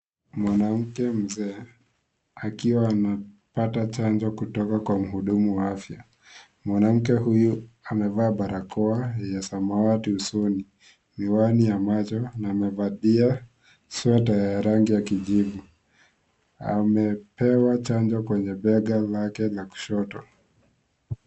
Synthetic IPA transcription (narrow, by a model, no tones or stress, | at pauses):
mwanam̩kɛm̩zɛː | akiwaːna | patat͡ʃand͡ʒɔkutɔkakwam̩ɦuɗumuwaafja | mwanam̩kɛhujuamɛvaːɓaɾakʰɔajasamawatiusuni | miwanijamat͡ʃɔnaːmɛvaɗia | sɔtajaɾaŋɡijakiʄivu | a̰mɛpɛwat͡ʃand͡ʒɔkwɛɲɛɓɛɠalakɛlaku̥ʃɔtɔ